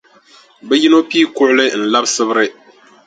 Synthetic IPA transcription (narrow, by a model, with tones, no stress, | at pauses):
bɛ˦ji˦no˦piː˦kʊ˦ʔʊ˦lɨ˦n̩˨la˦bsɨ˦bɾɨ˦